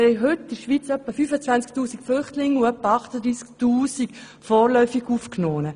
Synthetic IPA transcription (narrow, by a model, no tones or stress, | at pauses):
ɛɪɦʏtːɪʃʋiːt͡sœpːəfyːfət͡sʋant͡sk̚tuːsikflʏχtlɪŋuœpːəɑχtəd̪ɾiːsk̚tuːsik | fɔːɾlœʏfiɡufknoːnə